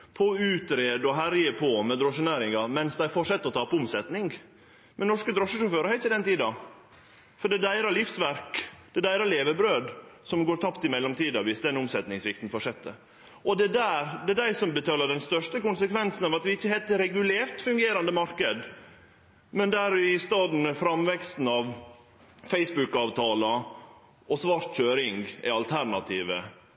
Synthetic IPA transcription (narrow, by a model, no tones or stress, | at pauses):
pʰɔʉːt̪ɾeːd̪ɔɦæɾjəpʰɔmɛd̪ɾɔʂənæːɾɪŋɑmɛnsd̪æɪfɔʂɛt̪ːəɔt̪ʰɑːpʊmsɛt̪nɪŋ | mɛnɔʂkəd̪ɾɔʂəʂʊføːɾəɾhæɪt̪ːɪd̪ɛnt̪iːd̪ɑ | fɔɖɛd̪æɪɾɑlɪfsʋæɾkd̪̥ɛd̪æɪɾɑleːʋəbɾøːd̪sɔmɡoːɾt̪ʰɑpt̪ɪmɛlːɔmt̪ʰiːd̪ɑʋɪsd̪ɛɛnʊmsɛt̪nɪŋsʋɪkt̪n̩fɔʂɛt̪ːə̰ | ʔɔd̪ɛd̪æɾd̪ɛd̪æɪsɔmbət̪ʰɑːlːəɖɛnst̪œʂʈəkʊnsəkʰʋɛnsn̩ɑːʋɑt̪ʋɪɪçːəhɛt̪ːəɾɛɡʉleːɾt̪fʉŋɡeːɾɑnd̪əmɑɾkəd̪ | mɛnd̪æɾɪst̪ɑːd̪n̩fɾɑmʋɛkst̪n̩ɑʋ | fɛɪsbʉkɑːʋt̪ʰɑːlɑ | ɔsʋɑːɾt̪c͡çøːɾɪŋɡæ̰ɑlt̪ʰæɾnɑt̪ʰiːʋə̰